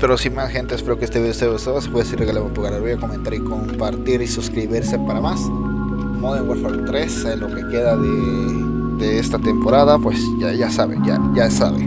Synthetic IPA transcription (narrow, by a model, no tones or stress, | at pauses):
pe̞ɾo̞simasxe̞nt̪eːspeɾo̞keest̪eβiðeseost̪oasi̥pwesiɾɣaleβont̪uɣaɾelβojako̞ment̪aɾiko̞mpaɾt̪iɾisuskɾiβiɾse̞paɾamas | noðeβexaɾt̪ɾeselo̞ke̞ke̞ðaðe | ðe̞est̪at̪e̞mpo̞ɾaðapwe̞sʝaʝasaβḛʝa̰ʝasa̰βḛ